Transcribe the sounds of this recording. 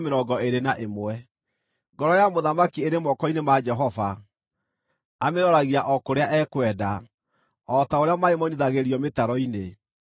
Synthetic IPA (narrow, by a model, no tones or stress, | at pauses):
meɾɔɡɔeɾenaʔemwɛ | ŋɡɔɾɔjamoðamakieɾemɔkɔinemad͡ʒɛɦɔva | ameɾɔɾaɣiaʔɔkoɾeaʔɛkwɛda | ɔtaoɾeamaemɔniðaɣeɾiɔmetaɾɔine